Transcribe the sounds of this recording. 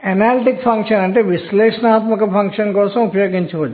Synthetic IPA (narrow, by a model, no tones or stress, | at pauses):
ɛnalʈikfʰɐŋkʃɐnɐɳʈeʋisleːʃnaːt̪məkɐpʰɐ̃ŋkʃɐnkɔɾsɐ̃upjoɡint͡ʃʰiɦod͡ʒ